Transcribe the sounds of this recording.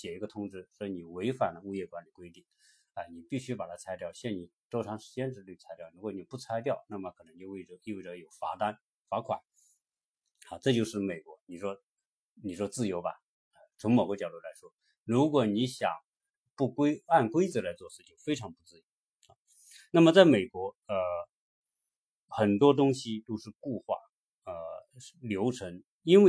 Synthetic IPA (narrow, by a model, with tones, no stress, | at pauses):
t͡ɕjɛ˨˩i˧˥ɡə˧t̪ʰʊ˥ŋʈ͡ʂɻ̩˥swɔ˧˥i˧ni˨˩we˧˥ɪfa˨˩nd̪ə˦u˥˧jɛ˥˩kwa˧˥nli˨˩kwe˥ɪt̪i˥˩ŋ | a˥˧ɪni˨˩pi˥˩ɕy˥pa˨˩t̪ʰa˥t͡sʰa˧˥ɪt̪jɑ˥˩ʊɕjɛ˥˩nni˨˩t̪o˥ʈ͡ʂʰɑ˧˥ŋʂɻ̩˧˥t͡ɕjɛ˥nʈ͡ʂɻ̩˥ly˥˩t͡sʰa˧˥ɪt̪jɑ˥˩ʊɻu˧˥kwɔ˧˥˩ni˨˩pu˥˩t͡sʰa˧˥ɪt̪jɑ˥˩ʊna˥˩mə˩kʰɤ˨˩nɤ˧˥ŋt͡ɕjo˥˧ʊwe˥˩ɪʈ͡ʂə˧˥i˥˧wʈ͡ʂə˧˥jo˨˩ʊfa̰˧˥t̪a˥n | fa˧˥kʰwa̰˨˩˦n | xa˥˧ʈ͡ʂɤ˥˧t͡ɕjo˥˧ʊʂɻ̩˥˩me˨˩ɪkwɔ˧˥ni˨˩ʂwɔ˥ | ni˨˩ʂwɔ˥t͡sɹ̩˥˩jo˧˥ʊbɐ̰˧ | ə˧t͡sʰʊ˧˥ŋmo˨˩ʊkə˥˩t͡ɕjɑ˨˩ʊt̪u˥˩la˧˥ɪʂwɔ˥ | ɻu˧˥k̬wɔ˨˩ni˧˥ɕjɑ̰˨˩˦ŋ | pu˥˩kwe˥ɪa˥˩˧nkwe˥ɪt͡sɤ˨˩la˧˥ɪt͡swɔ˥˧ʂɹ̩˥˧t͡ɕjo˥˩ʊfe˥ɪʈ͡ʂʰɑ˧˥ŋpu˥˧t͡sɹ̩˥˩jo˧˥ʊ | a˧˩ | na˥˩mə˩t͡sa˥˩ɪme˨˩ɪkwɔ˧˥ə˧ | xə˨˩nt̪wɔ˥t̪ʊ˥ŋɕi˧t̪o˥ʊʂɻ̩˥˧ku˥˧xwa̰˥˩ | ə˧ | ljo˧˥ʊʈ͡ʂʰɤ˧˥ŋ | i˥nwe˥˩